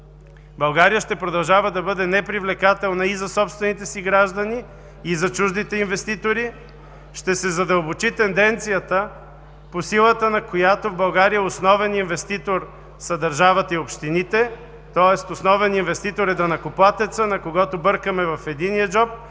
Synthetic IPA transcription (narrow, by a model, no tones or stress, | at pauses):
bɐlˠɡaɾijəʃt̪ɛpɾod̪ɐlˠʒavəd̪ɐbɤd̪ɛnɛpɾivlɛkat̪ɛlˠnɐizɐsɔpst̪vɛnit̪ɛsiɡɾaʒd̪ɐniː | zɐt͡ʃuʒd̪it̪ɛinvɛst̪it̪oɾi | ʃt̪ɛsɛzɐd̪əlˠbot͡ʃit̪ɛnd̪ɛnt̪sijət̪ə | posilˠət̪ənɐkojat̪ovbɐlˠɡaɾijəosnɔvɛninvɛst̪it̪oɾ | sɐd̪ɐɾʒavət̪ɐiopʃt̪init̪ɛ | t̪ɔɛst̪osnɔvɛninvɛst̪it̪oɾɛd̪ɐnɐkoplˠat̪ɛt̪sənɐkoɡɔt̪obɤɾkəmɛvɐfɛd̪inijəd͡ʒɔp̚